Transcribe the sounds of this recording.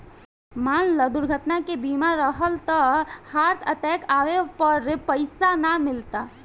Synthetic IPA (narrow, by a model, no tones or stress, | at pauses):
maːnləd̪ʊɾɡʱət̪nakebiːmaɾəɦəlt̪əhaːɾt̪ʰət̪ɛːkaːʋepəɾpəɪsanamɪlt̪a